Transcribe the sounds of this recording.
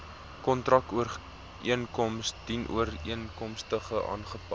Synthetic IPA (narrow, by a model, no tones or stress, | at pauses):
kɔntrɐkuər | ʔiənkɔmsd̥inʔṵəriənkɔmstəχəʔɑ̰ːnχəpɐ